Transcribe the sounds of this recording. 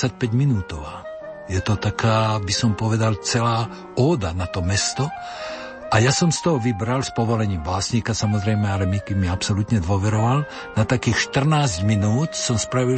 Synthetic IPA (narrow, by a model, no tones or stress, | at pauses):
ac̚pɛɟminuːt̪ɔʋa̰ː | jɛt̪ɔt̪akʰaːbisɔmpɔʋɛd̪alt͡sɛlaː | ɔːd̪anat̪ɔmɛst̪ɔ | ʔajasɔmst̪ɔɦɔʋibɾalspɔʋɔlɛɲiːmbaːsɲiːkasamɔzɾɛjmɛalɛmikɛmiapsɔlut̪ɲɛd̪ʋʊɔʋɛɾɔʋal | nat̪akiːxʃt̪r̩naːzɟminuːt̪sɔmspɾaʋil